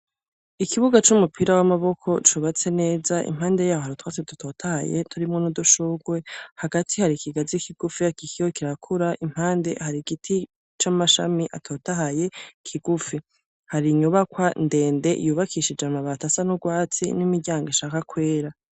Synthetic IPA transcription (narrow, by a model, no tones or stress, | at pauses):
ikiβuɡat͡ʃumupʰiɾawamaβo̞kʰo̞t͡ʃuβat͡se̞ne̞ːzaʔḭm̥haːnde̞jaːhohaɾitwat͡sedutʰo̞ːtʰaha̰je̞̰tʰuɾimŋonuduʃuɡwe̞haɡatʰihaɾikiɡazikiɡ̥ufiakikijokiɾakʰuɾaʔim̥haːnde̞̰haɾiɡitʰi | t͡ʃamaʃamiʔa̰tʰoːtaɦaje̞kʰiɡufi | haɾiɲuβakwande̞ːnde̞̰ʔjuːβakʰiʃid͡ʒamaβatasanuɡwaːt͡sḭnimiɟaːŋɡiʃaːkakwe̞ːɾa